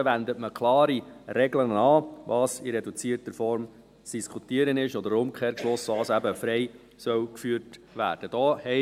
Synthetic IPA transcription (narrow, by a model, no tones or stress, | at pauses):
ʋænd̪ətməkʰlɑːɾiɾɛɡlənɑːʋɑːsiɾɛdut͡siːəɾtəɾfɔɾm | t͡sd̥iskʰutiəɾənɪʃɔd̪əɾʊmkʰeːɾklosʋɑːsæbəfɾɛɪ | sœwkfyːɾtʋæ̰ːɾd̥əd̥ɔːhɛ